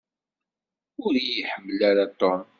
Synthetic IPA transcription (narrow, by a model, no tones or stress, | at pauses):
ʊɾijəħəmːəlaɾat̪ːɔn